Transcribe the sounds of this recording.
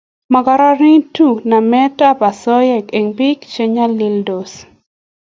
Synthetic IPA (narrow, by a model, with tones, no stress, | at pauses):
ma˨ka˦ɾa˦ɾi˦ŋtu˦˨na˨mɛ˦ta˦pa˨sɔ˦jɛ˦˨ke˨ŋpi˦kt͡ʃe˦ɲa˦li˦ldo˨s